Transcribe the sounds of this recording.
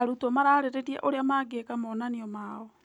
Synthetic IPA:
aɾutɔmaɾaɾeɾeɾiɛ̰ʔoɾeamaɡekamɔnaniɔmaːɔ

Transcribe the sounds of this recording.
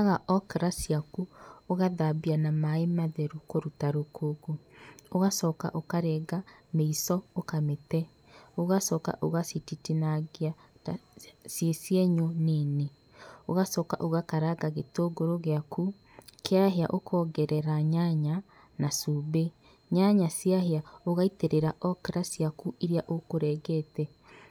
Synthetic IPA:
aɣaʔɔkɾasiakuoɣaðabianamaemaðɛɾukoɾutaɾokoɡooɣasɔːka̰ʔokaɾɛɡameisɔokametɛ | oɣasɔːka̰ʔoɣasititinaɣea | sjesieɲonene | oɣasɔːka̰ʔoɣakaɾaɡaɣetoɡoɾoɣeaku | kʰeaɦeaʔokʰɔɡɛɾɛɾaɲaɲa | nasuβe | ɲaɲasjaɦeaoɣaiteɾeɾaʔɔkɾasiakuʔiɾiaʔokoɾɛːɣɛtɛ

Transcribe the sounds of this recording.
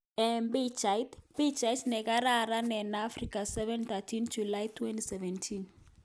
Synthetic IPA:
ɛmbit͡ʃajtbit͡ʃajtnɛkaɾaɾanɛnaːfrikasɛvɛnθatʰind͡ʒulajtʰwɛntisɛvɛntʰin

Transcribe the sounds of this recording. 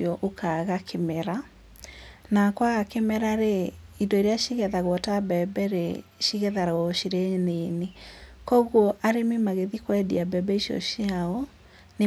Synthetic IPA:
ɔʔokʰaɣakʰemɛɾa | nakwaɣakemɛɾaɾe | indɔiɾeaʃiɣɛðaɣwɔtabɛbɛɾḛʃiɣɛðaɾaɣɔɕiɾenenekɔɣwɔʔaɾemimaɣeðikwɛdḭabɛbɛiɕiɔ̰ʃiaɔ | ne

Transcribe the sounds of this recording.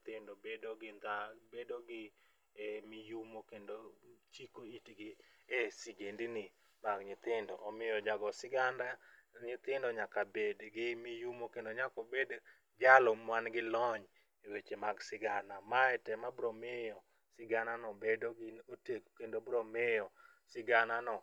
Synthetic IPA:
t̪ɪndobedoɡɪnd̪abedoɡɪ | mijumokendot͡ʃikoitiɡɪ | esiɡendinɪ | maɡɲɪt̪ɪndɔʔɔmɪjɔd͡ʒaɡɔsɪɡandaɲɪt̪ɪndɔɲakabedɡɪmijumokendoɲakobed | d͡ʒalɔmwanɡɪlɔɲ | ewet͡ʃemaɡsɪɡanamaɛtɛmabɾomɪjɔ | sɪɡananɔbedoɡɪoteko̥kendobɾomɪjɔ | sɪɡananɔ

